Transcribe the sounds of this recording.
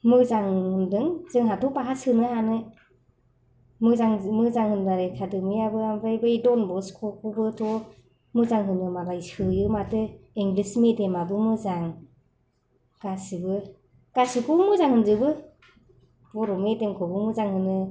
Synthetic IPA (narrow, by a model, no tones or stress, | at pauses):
mɯzaŋhɯndɯŋzɯŋɦatʰɔpaɦasɯnɯɦanɯ | mɯzaŋmɯzaŋhɯnbaɾekʰadɯmɯjabɯambajbɯidɔnbɔskʰɔkʰɔbɯtʰɔ | mɯzaŋɦɯnɯmabajsɯjɯmatɯiŋɡlismedemabɯmɯzaŋ | ɡ̥asibɯ | ɡ̥asɯkʰɔmɯzaŋhɯnzɯbɯ | b̥ɔɾɔmedɯŋkʰɔbɯmɯzaŋhɯnɯ